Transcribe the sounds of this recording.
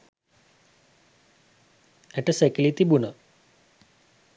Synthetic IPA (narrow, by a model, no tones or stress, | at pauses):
ɛʈəsekilit̪ibunə